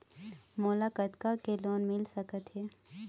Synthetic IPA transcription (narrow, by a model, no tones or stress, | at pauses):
moːlakət̪kakeloːnmɪlsəkət̪ɦɛː